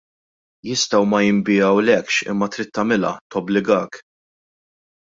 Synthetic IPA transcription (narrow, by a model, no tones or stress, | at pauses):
jɪst̪ɐwmɐjɪmbɪɐwlɛkʃɪ̰mːɐt̪ɾɪt̪ːɐmɪlɐ̰t̪ɔblɪɡɐːk